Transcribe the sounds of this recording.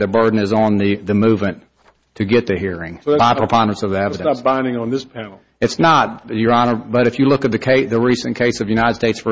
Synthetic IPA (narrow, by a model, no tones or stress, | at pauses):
ðɨbɜ˞dⁿn̩ɨzn̩ðɨðɨmʉvmɨ̃n | tʰɨɡɛt̪̚ðɨhiɹɪ̃ŋbaɪpʰɹ̥əpʰɑ̃ndə̃ntsʌvðiɛvɨɾɨ̃t̚b̥ãɪ̃ndɪ̃ŋə̃nðɪspʰænl̩ˠ | ɨtsnət̚jə˞ɑnə˞bʌɾɨfjɨlʊkɨt̪̚ðɨkʰeɪðɨɹisɨ̃nkʰeɪsʌvjʉñaɪɾɨd̥steɪtsfə˞